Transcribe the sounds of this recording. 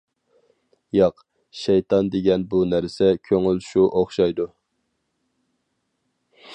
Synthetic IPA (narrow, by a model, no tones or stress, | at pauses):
jɑq | ʃɛjt̪ʰɑnd̪eɡʲɛnbunæɾsɛkʲʰøŋylʃuʔoχʃɑjd̪u